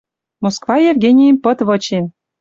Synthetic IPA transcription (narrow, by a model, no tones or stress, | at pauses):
moskvɑjevɡʲenʲijəmpɤ̆t̪vɤ̆t͡ɕen